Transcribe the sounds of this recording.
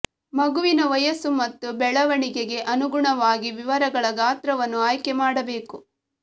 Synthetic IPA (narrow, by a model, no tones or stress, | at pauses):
mɐɡuʋinɐʋɐjɐsumɐt̪ːubɛɭɐʋɐɳiɡeɡe̞ʔɐnuɡuɳɐʋaːɡiʋiʋɐɾɐɡɐɭɐɡaːt̪ɾɐʋɐnːuaːjkemaːɽɐbe̞ːku